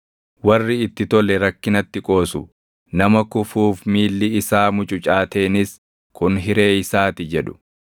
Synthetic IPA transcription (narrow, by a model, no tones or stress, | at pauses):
wɐrːɪɪt̪ːɪt̪ɔlɛɾɐkːɪnɐt̪ːɪkʼo̞ːsʊ | nɐmɐkʊfuːfmiːlːɪɪsaːmʊt͡ʃʼʊt͡ʃʼaːt̪e̞ːnɪs | kʊnɦɪɾe̞ːɪsaːt̪ɪd͡ʒɛᶑʊ̥